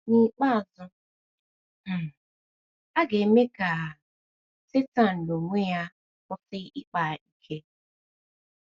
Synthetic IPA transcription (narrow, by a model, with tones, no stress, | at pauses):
ni˦k͡pa˦˨zʊ˦˨ | a˦ɡe˨˦me˦ka˨ | se˦ta˨n̩˨do˨ŋʷe˦ja˦ | kɔ˦sɪ˦i˦k͡pa˨i˦kʰe˦